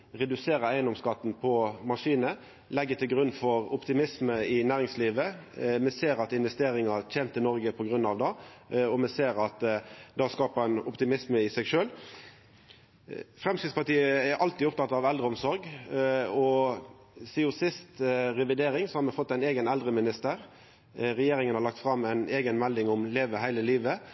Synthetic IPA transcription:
ʁɛd̪ʉseːɾəæɪənɔmskɑt̪ːn̩pʰɔmɑʂiːnə | lɛɡːət̪ʰɪlɡɾʉnːfɔɾʊpt̪ɪmɪsməɪnæːɾɪŋsliːʋəmɛseːɾɑt̪ɪnʋɛst̪eːɾɪŋɑt̪ʰeːnt̪ʰːəlnɔɾɡəpʰɔɡɾʉnːɑʋd̪ɑɔmɛseːɾɑt̪d̪ɑskɑːpɑɛnɔpt̪ɪmɪsməɪsɛɡʂøːl | fʁɛmskɾɪt̪spɑʈ̪iːəɛɾʔɑlt̪iːʊpt̪ʰɑt̪ːɑʋɛld̪ɾəɔmsɔɾɡ | ɔ | siːʊsɪst̪ɾɛʋɪd̪eːɾɪŋsɔhɑːɾmɛfɔt̪ːæɪneːɡənɛld̪ɾəmɪnɪst̪əɾ | ʁɛjeːɾɪŋənhɑɾlɑkt̪fɾɑmːæɪneːɡənmæld̪ɪŋʊmleːʋəɦæɪləliːʋə

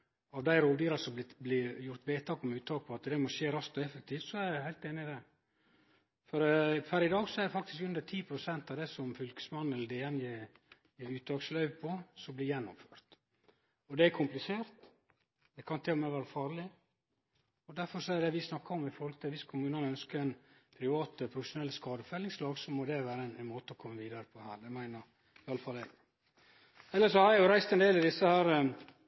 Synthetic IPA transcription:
ɑʋd̪æɪɾoːd̪iːɾɑʂɔlɪblɪjʊɾt̪beːt̪ʰɑːkɔmʉːt̪ʰːɑːk̚pʰɔɑt̪d̪ɛmɔʃeːɾɑst̪ɔɛfək̚t̪ʰiːft̪sɔæɾæhæɪt̪eːnɪd̪ɛ | fɔɾfæɾɪd̪ɑːɡsɔɛɾd̪ɛfɑkt̪ɪ̥skʉnd̪əʈʰiːpʰɾʊsɛnt̪ɑʋd̪ɛsɔmfʏlkə̥smɑnːɛləd̪eːɛnjeː | jeːɾʉːt̪ʰːɑːkslœʏʋpʰɔsɔmblɪjɛnːʊ̰mføːɾt̪ | ɔd̪ɛækʰʊmplɪseːɾt̪ | d̪̥ɛkʰɑnt̪ʰɛɔmɛʋæːɾəfɑːɾlɪ | ɔd̪æɾfɔɾʂɔɛɾəd̪ɛʋɪsnɑkːɑɾɔmɪfɔɾɔlk̪t̪ɛʋɪskʰʊmʉːnɑnœnskəɾɛnpʰɾɪʋɑːt̪əpʰɾʊfəʂʊnɛlːskɑːd̪əfœlːɪŋslɑːɡsɔmɔd̪ɛʋæːɾəɛnɛnmoːt̪əɔkʰɔmːəʋiːd̪ɑɾəpʰɔhæ̰ːɾd̪ɛmæɪnəɾ | ɪɑlːəfɑlːɛɡ | ɛlːəʂɔhɑɾjjʊɾæɪst̪ɛnd̪eːlɑd̪ɪsːəhæːɾ

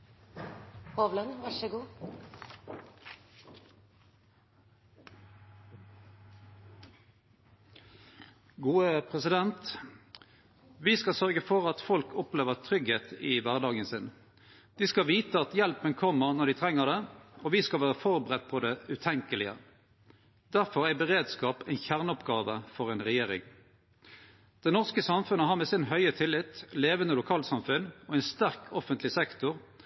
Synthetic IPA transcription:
hɔʋlənʋɑʂəɡuː | ɡuːəpʰʁɛsɪd̪ɛnt̪ | ʋɪskɑsœʁɡəfɔʁɑt̪fɔlkʰʊpleːʋəʁt̪ʰʁʏɡheːt̪ɪʋæʁɖ̪ɑːɡənsɪn | d̪̥ɪskɑʋiːt̪əɑt̪jɛlpənkʰɔmːəʁnɔɖ̪ɪt̪ʰʁɛŋːəʁd̪ɛɔʋɪskɑlʋæːʁəfɔʁbəʁɛt̪̚ːpʰɔd̪ɛʉt̪ʰɛŋkəlɪə̰ | d̪̥æʁfɔɾæɪbəʁeːd̪skɑːpɛɪnçæʁnɔpɡɑːʋəfɔʁɛɪnʁɛjeːʁɪ̰ŋ | d̪̥ɛnɔʁskəsɑmfʉnəɦɑʁmɛsɪnɦœʏət̪ʰɪlːɪt̪leːʋənəlʊkʰɑːlsɑmfʉnɔɛɪnst̪æʁkʰɔfənt̪lɪsɛkt̪ʊʁ

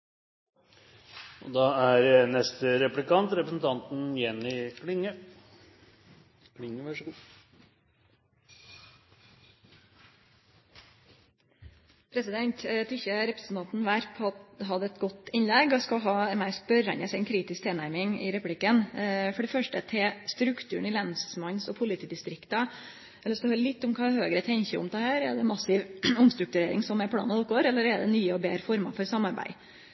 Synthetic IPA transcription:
ɔd̪ɑæɾnɛst̪əɾɛplɪkɑnt̪ɾɛpɾəsn̩t̪ʰɑnt̪n̩jɛnːɪkʰlɪŋːə | kʰlɪŋːəʋɑʂɡu | pʰɾɛsɪd̪ɛnt̪t̪ʰɪçəɾɛpɾəsn̩t̪ʰɑnt̪n̩ʋæɾpʰɦɑd̪ɛt̪ɡɔt̪ɪnlɛɡɔskɑɦɑːmæɪspœɾɛnəsɪnkʰɾiːt̪ɪsk̚t̪ʰeːnæɾmɪŋɪ̰ɾɛpʉplɪkːənfɔɖɛfœʂʈət̪ʰɪlst̪ɾʉkt̪ʰʉːɳ̩ɪlɛnsmɑnsɔpʰʊlɪt̪ʰiːd̪ɪst̪ɾɪkt̪ɑ | ɛlːsd̪ɔhøːɾlɪt̪ːʊmkʰɑːhøːɡəɾət̪ʰɛɲçəʊ̰md̪ʰɛhæːɾɛ̰d̪ɛmɑsɪʋʊmst̪ɾʉk̚t̪ʉɾeːɾɪ̰ŋsɔmɛɾpʰɽɑ̰ːnɑɔp̚ɡoːɾɛlːəɾɛd̪ɛ̰nyːəɔbeːɾəfɔɾmɑ̰fɔɾsɑmɑɾbæ̰ɪ

